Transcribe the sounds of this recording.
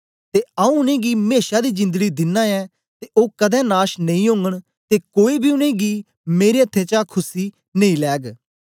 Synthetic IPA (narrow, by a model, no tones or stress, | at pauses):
t̪eːaũːʊnẽːɡiːmeːʃaːd̪iːd͡ʒɪ̃nd̪əɡiːd̪ɪnːãːɛː | t̪eːʔoːkəd̪ɛ̃ːnaːʃnə̃ĩːɦõːŋɡəɽ | t̪eːkoːiːbʱiːʊnẽːɡiː | meːɾeːət̪ʰːẽːt͡ʃaːkʰʊsiː | nəĩːlɛːɡ